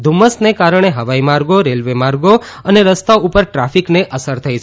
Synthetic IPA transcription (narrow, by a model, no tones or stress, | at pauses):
d̪ʱuməsnekaɾəɳ̃eɦəʋaimaɾɡoɾelʋemaɾɡo | əneɾəst̪aupəɾʈɾafʰikneʔəsəɾt̪ʰəjt͡ʃʰ